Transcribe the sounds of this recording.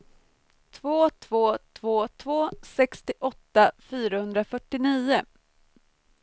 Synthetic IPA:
t̪ʰvoːt̪ʰvoːt̪ʰvoːt̪ʰvoːsɛkst̪ɪʔɔt̪ːafyːɾahɵnd̪ɾafœʈːɪniːʊ

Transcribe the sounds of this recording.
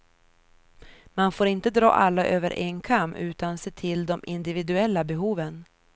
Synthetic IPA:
manfoːɾɪnt̪əd̪ɾɑ̰ːʔalːaʔøːvə̰ɾʔenkʰamːʉ̟ːt̪anseːt̪ʰɪld̪ɔmʔɪnd̪ɪvɪd̪ɵɛlːabɛɦuːvən

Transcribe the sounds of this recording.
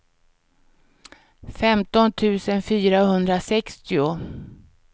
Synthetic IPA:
fɛmt̪ɔnt̪ʰʉ̟ːsənfyːɾaɦɵnd̪ɾasɛkst̪ɪʊ

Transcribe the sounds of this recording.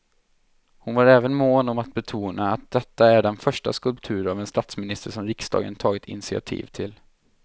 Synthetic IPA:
hʊnvaɾɛːvənmoːnɔmat̪̚bɛt̪ʰuːnaːt̪̚d̪̥ɛt̪ːaæɖɛnfœʂʈa̰skɵlp̚t̪ʰʉ̟ːɾavɛnst̪at̪smɪnɪst̪əʂɔmɾɪksd̪ɑ̰ːɡə̰nt̪ʰɑːɡɪt̪ʰɪ̰nɪsɪa̰t̪ʰḭːvt̪ʰɪl

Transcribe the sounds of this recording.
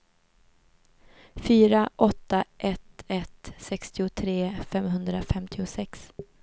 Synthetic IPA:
fyːɾaʔɔt̪ːaʔɛt̪ɛt̪sɛkst̪ɪʊt̪ʰɾeːfɛmɦɵnd̪ɾafɛmt̪ʰɪʊsɛks

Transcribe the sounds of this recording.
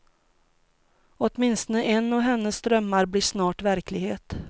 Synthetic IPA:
ɔt̪mɪnst̪ənəʔɛnːɔɦɛnːəsːt̪ɾœmːaɾblɪʂnɑːʈvæɾklɪɡheːt̪

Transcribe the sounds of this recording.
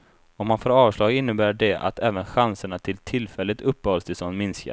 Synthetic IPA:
ɔmːanfoːɾɑːvʂlɑːɡɪnːəbæːɖɛʔa̰t̪ɛːvənɧansəɳat̪ʰɪlt̪ʰɪlːfɛlːɪt̪ɵpːəhɔlst̪ɪsɔːnmɪnska̰

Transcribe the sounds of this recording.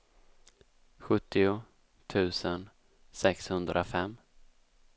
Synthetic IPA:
ɧɵt̪ʰːɪʊ | t̪ʰʉ̟ːsən | sɛkshɵnd̪ɾʔafɛmː

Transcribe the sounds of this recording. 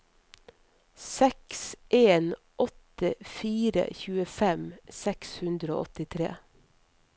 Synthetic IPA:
sɛksʔeːn | ʔɔt̪əfiːɾə̰çʉːəfɛmsɛkshʉnd̪ɾəo̰ːʔɔt̪ɪt̪ʰɾḛː

